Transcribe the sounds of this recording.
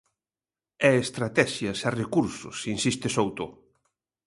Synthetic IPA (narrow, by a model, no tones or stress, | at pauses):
ɛest̪ɾat̪ɛʃjɐsɛrekuɾsʊ̰sinsist̪ɪsowt̪o